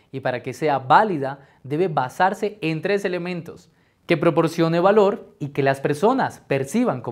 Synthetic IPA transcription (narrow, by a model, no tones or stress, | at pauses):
ipaɾake̞se̞aβaliða | d̪e̞βe̞βasaɾse̞ːnt̪ɾe̞se̞le̞mẽ̞nt̪o̞s | ke̞pɾo̞po̞ɾsjo̞ne̞βalo̞ɾike̞laspe̞ɾso̞naspe̞ɾsiβaŋko